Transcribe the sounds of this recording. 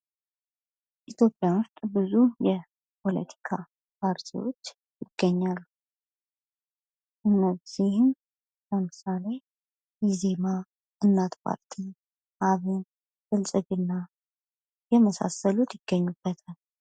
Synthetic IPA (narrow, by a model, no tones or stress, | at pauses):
ʔit̪ʰjo̞pʼːjawʊst̪ʼbɨzujɛ | pʰo̞lə̰t̪ʰi̥kʰa | pʰaɾt̪ʰiwo̞̰t͡ʃː | jɪɡ̥ːəɲːalːu | ʔɨnːəz̥ihɨn | ləmɨsale̞ | jɛze̞ma | ʔɨnːat̪pʰa̰ɾt̪ʰi | ʔaβɨn | fɨlsʼɨɡɨnːa | jɛməsa̰səlut̪jɪɡ̥ːəɲːub̥ːət̪ʰal